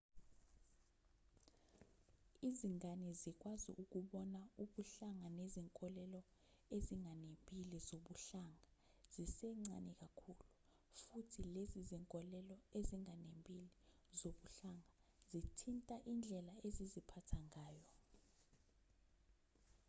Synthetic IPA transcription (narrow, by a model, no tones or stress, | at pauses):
iziŋanizik̬ʼwazḭʔuk̬uɓɔnauɓuɬaŋaneziŋkʼɔlɛlɔ | eziŋanempʼilizoɓuɬaŋaz̥isɛŋ͡ǀanɛk̬akʰulu | futʰileziziŋkʼɔlɛlɔeziŋanempʼili | zoɓuɬaŋa | zitʰintʼaʔind͡ɮʱɛlaezizipʰatʰaŋaːjɔ